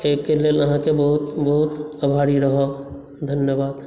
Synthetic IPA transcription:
eːkːeleːləɦãkebəɦʊt̪bəɦʊt̪əbʱaːɽiɾəɦo | d̪ʱənjəbaːd̪

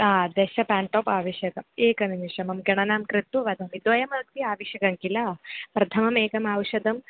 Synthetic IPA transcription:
aːd̪eʃɐpaːɳʈoːpaːʋɐʃjɐkɐmeːkɐniniʂɐmɐmɡɐɳ̃ɐnaːmkɾit̪uʋɐd̪ʱɐmid̪ʋɐjɐmɐk̚t̪iaːʋɐʃjɐkɐŋkilaːpɾɐt̪ʰɐmɐmeːkɐmaːwʂɐd̪ɐm

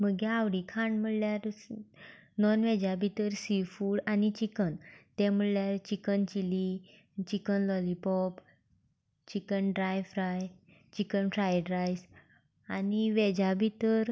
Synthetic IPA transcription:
məɡɛaʋɽikʰãɳm̤əɽljaɾ | nɔnʋed͡ʑabʱit̪əɾsifuːɽanit͡ɕikənt̪ɛm̤əɭljaɾt͡ɕikənt͡ɕili | t͡ɕikənlɔlipɔp | t͡ɕikənɖɾajfɾaj | t͡ɕikənfɾajɖɾajs | aniʋed͡ʑabʱit̪əɾ

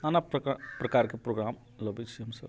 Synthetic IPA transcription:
anappɾəkaɾkepɾoɡɾam | ləbet͡ʃʰiɦəmsəb

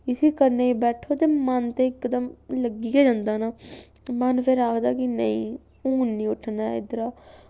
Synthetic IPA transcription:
ɪsiːkəɾneːiːbɛːʈʰoːt̪eːmənt̪eːɪkːd̪əmləɡɪjaːd͡ʒãːnd̪aːnaː | mənpʰɪɾaːkd̪aːkɪnəĩː | uːnːĩːʊʈʰːnaːɪ̰d̪ɾaː

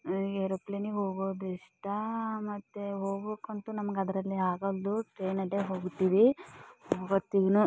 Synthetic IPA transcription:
eɾɐpleniɦoːɡoːd̪iʂʈɐmɐt̪ːeɦoːɡokɐnt̪unɐmɐɡeɐd̪ɐɾɐlːiaːɡɐld̪uʈɾeːnɐɖeɦoːɡut̪ːiʋiɦoɡɐt̪ːiɡɐnu

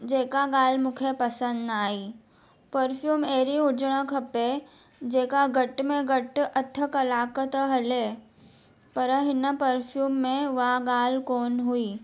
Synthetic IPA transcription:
d͡ʒeːkaɡaːlmʊkʰepəsə̃nd̪aːiː | pəɾfʰjuːmeːɾiʊd͡ʒɽ̃əkʰɐpe | d͡ʒeːkaɡəʈmẽɡəʈɐt̪ʰːəkɐlaːkət̪ɦəle | pəɾəɦɪnːəpəɾfʰjuːmːẽʋaːɡaːlkoːnɦuiː

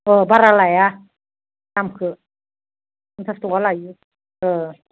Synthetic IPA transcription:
ʔəːbaɾalaja | t̪amkʰɯ | nt̪ʰast̪ualaju | ʔəː

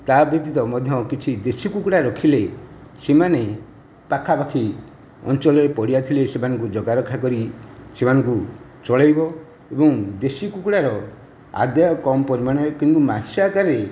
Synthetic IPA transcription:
t̪abid̪it̪ɔmɔd̪ʱjɔkit͡ʃʰid̪esikukuɽaɾɔkʰile | semane | pakʰːapakʰi | ɔ̰nt͡ʃɔlɔɾepɔɽijat̪ʰilesemanɔŋkud͡ʒɔɡaɾɔkʰːakɔɾisemanɔŋku | t͡ʃɔɭajbɔ | ebɔŋd̪esikukuɽaɾɔ | a̰d̪jajɔkɔmɔpɔɾimaɽ̃ekint̪umasakaɾe

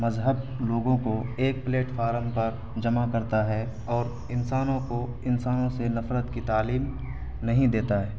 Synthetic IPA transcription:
mɐzɦəb̚loːɡõkoeːk̚pleːʈfʰaːɾəmpɐɾ | d͡ʒɐmakɐɾt̪aɦɛ | ɔːɾ | ɪnsaːnõko | ɪnsaːnõsenɐfɾət̪kit̪aːliːm | nɐɦĩd̪eːt̪aɦɛː

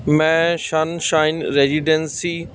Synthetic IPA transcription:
mɛ̃ʃanʃaːɪnɾeːziɖensi

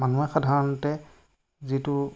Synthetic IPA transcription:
manuaxadʱaɹɔnɔtɛ | zitu

